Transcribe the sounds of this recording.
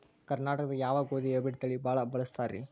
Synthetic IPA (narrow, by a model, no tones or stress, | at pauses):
kɐɾnaːʈɐkɐd̪ɐjaːʋaːɡoːðiɐbɪɽt̪ːɐɭibaːɭabɐɭɐst̪aːɾḭ